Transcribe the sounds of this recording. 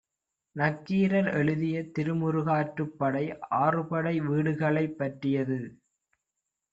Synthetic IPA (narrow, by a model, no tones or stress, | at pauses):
nɐkːiːɾɐɾɛɭɯðɪjɐt̪ɪɾɯmʊɾɯɣaːʈrɯpːɐɽɐɪaːrɯpɐɽɐɪʋiːɽɯɣɐɭɐɪpːɐʈrɪjɐðɯ